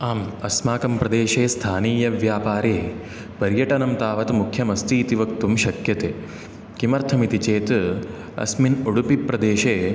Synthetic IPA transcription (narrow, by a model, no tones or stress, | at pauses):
aːmɐsmaːkɐmpɾɐd̪eːʃeːst̪ʰaːniːjɐʋjaːpaːɾeː | pɐɾjɐʈɐnɐmt̪aːʋɐt̪mukʰjɐmɐst̪iːt̪iʋɐk̚t̪umʃɐkjɐt̪eː | kimɐɾt̪ʰɐmit̪it͡ʃeːt̪ | ɐ̰sminuɽupipɾɐd̪eːʃeː